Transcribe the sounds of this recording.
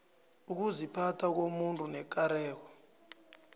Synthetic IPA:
uk̬uzipʰatʰak̬omuntʼunɛk̬ʼaɾɛːk̬ɔ

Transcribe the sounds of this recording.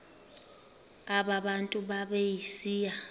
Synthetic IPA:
aɓaɓantʼuɓaɓejisiːja

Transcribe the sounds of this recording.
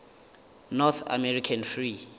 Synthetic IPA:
nɔθʰa̰mɛɾikʰanfri

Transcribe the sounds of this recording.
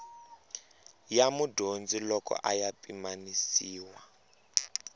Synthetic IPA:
jamudʱond͡zilɔkɔ̰ʔajapimanisiːwa

